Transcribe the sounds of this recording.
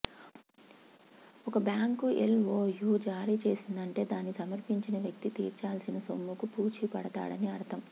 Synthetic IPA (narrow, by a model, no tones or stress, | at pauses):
ɔkɐbjaːŋkuḛlʋoːjuːd͡ʒaːɾiːt͡ʃe̞ːsind̪ɐɳʈe̞ːd̪aːnːisɐmɐɾpiɲt͡ʃinɐʋjɐk̚t̪it̪ḭːɾt͡ʃaːlsinɐsomːukupuːt͡ʃipɐɽɐt̪a̰ːɽɐ̰niɐɽɐt̪ɐm